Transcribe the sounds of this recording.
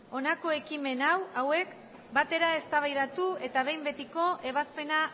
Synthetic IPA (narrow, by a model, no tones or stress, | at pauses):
o̞nako̞e̞kime̞nawawe̞k | bat̪e̞ɾae̞st̪aβ̞ajðat̪ue̞t̪aβ̞e̞jmbe̞t̪iko̞ʔe̞β̞aspe̞na